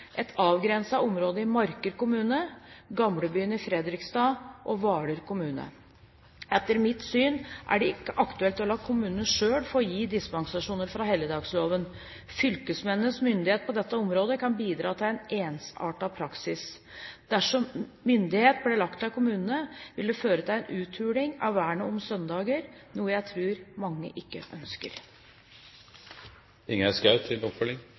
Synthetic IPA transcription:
ʔɛt̪ʰɑːʋɡɾɛnsɑɔmɾoːd̪əɪmɑɾkəɾkʊmʉːnəɡɑmɽəbyːənəɪfɾɛd̪ɾɪkst̪ɑːʔɔʋɑːɽəɾkʊmʉːnə̰ | ɛt̪ːəɾmɪt̪syːnʔæ̰ɖɛɪkːəʔɑkt̪ʉɛlt̪ɔlɑɡkʰʊmʉːnənəʂøːɽfɔɾjiːd̪ɪspɑŋsɑʂuːnəɾfɾɑɦɛːləd̪ɑːɡsloːʋən | fʏlkəsmɛnːəsmʏnd̪ɪheːt̪̚pɔd̪ɛt̪ːəɔmɾoːd̪əkʰɑnbiːd̪ɾɑːt̪ʰɪlɛneːnsɑ̰ːʈɑpʰɾɑksɪs | d̪̥æʂɔmː | ʏnd̪ɪheːt̪̚blɛɭɑkt̪ɑkʰʊmʉːnənəʋɪld̪ɛføːɾət̪ʰɪlɛnʔʉːt̪ʰʉːɽɪŋɑʋːæːɳəɔmsœnd̪ɑːɡəɾnuːəjæɪt̪ʰɾʉːɾmɑŋːə̰ʔɪkːə̰ʔœnskə̰ɾ | ɪŋæskɑʉt̪ʰːɪlɔpfœlɪŋ

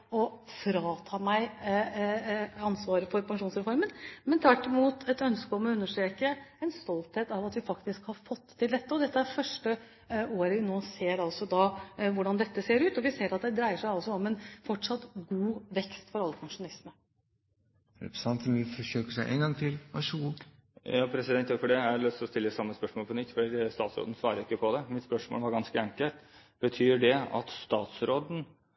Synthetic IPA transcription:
ɔfɾɑːt̪ʰɑːmæɪ | ɑnsʋɑːɾəfɔɾpʰɑŋʂuːnsɾɛfɔɾmənmɛnt̪ʰʋæʈːɪmuːt̪ɛt̪œnskəɔmɔʉnːəʂʈɾeːkəɛnst̪ɔlt̪heːt̪ɑʋɑt̪ʋɪfɑkt̪ɪskhɑɾfɔt̪ːʰɪld̪ɛt̪ːəɔd̪ɛt̪ːəæɾfœʂʈə | oːɾənoːseːɾɑlsɔd̪ɑʋʊɖɑnd̪ɛt̪ːəseːɾʉːt̪ɔʋɪseːɾɑt̪̚d̪ɛd̪ɾæɪəʂæɪɑlsɔɔmɛnfɔʈʂɑt̪ːɡuːʋɛkst̪fɔɾɑlːəkʰɑʂʊnɑlɪsmə | ɾɛ̰pɾsɑnt̪nɪfɔʂøːkəʂæɪʔḛnɡɑŋt̪ʰɪlʋæʂɡu | jɑːpʰɾɛsɪd̪ɛnt̪jofɔɖɛæɾlœst̪ɔst̪ɪlːəsɑmːəspœʂmoːlpʰɔnʏt̪ːfɔɖist̪ɑːt̪sɾo̰ːd̪n̩sʋɑːɾəɾɪkːəpʰɔd̪ɛmɪt̪spœʂmo̰lʋɑɾɡɑnskəɛŋkəlt̪ | b̥ət̪ʰyːɖɛɑ̰t̪st̪ɑːt̪sɾoːd̪n̩

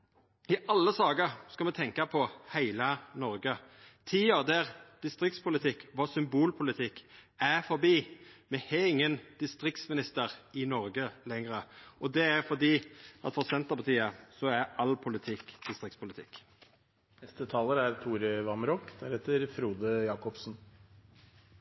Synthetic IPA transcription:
ɪʔɑlːəsɑːɡəɾskɑmɛt̪ʰɛŋkɑpʰɔhæɪlənɔɾɡət̪ʰiːəɾd̪æɾd̪̥ɪst̪ɾɪkt̪spʰʊlɪt̪ʰɪkːʋɑsʏmbuːlpʰʊlɪt̪ʰɪkːæfɔɾbiːmɛhɛɪŋːənd̪̥ɪst̪ɾɪk̚t̪smɪnɪst̪əʁɪnɔɾɡəlɛŋɾəɔd̪ɛæɾfɔʁd̪iːʔɑt̪fɔʁsɛnt̪əpʰɑt̪ʰiːəsɔæɾɑlpʰʊlɪt̪ʰɪkd̪̥ɪst̪ʁɪk̚tspʰʊlɪt̪ʰɪkː | nɛst̪ət̪ʰɑːləɾæɾt̪ʰuːɾəʋɑmɾɔkːd̪æɾhɛt̪ːəɾfɾuːd̪əjɑːkɔpsn

